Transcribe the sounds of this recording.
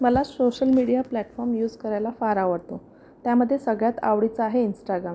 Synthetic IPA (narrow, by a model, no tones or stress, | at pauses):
məlasoɕəlmiɽijaplæʈfɔɾmjuːd͡zkəɾajlafaɾaʋəɽt̪o | t̪jaməd̪ʱːjesəɡɭjat̪a̰ʋɽit͡səaɦeinsʈaɡɾam